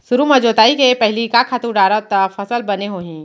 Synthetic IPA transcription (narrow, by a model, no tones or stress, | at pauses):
sʊɾumɐd͡ʒoːt̪aːikepɛɦlikakʰaːt̪uɖaːɾət̪afʰɐsəlbɐneɦoːɦĩː